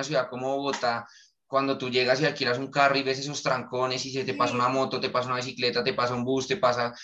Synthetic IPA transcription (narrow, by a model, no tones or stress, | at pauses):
as̬juðako̞moβoɣot̪a | kwand̪o̞t̪uʝe̞ɣasialkiɾas̬uŋkaroiβe̞s̬e̞s̬o̞st̪ɾaŋko̞ne̞siset̪epasaunamo̞t̪o̞t̪e̞pas̬aunaβis̬ikle̞t̪at̪e̞pas̬aumbust̪e̞pasa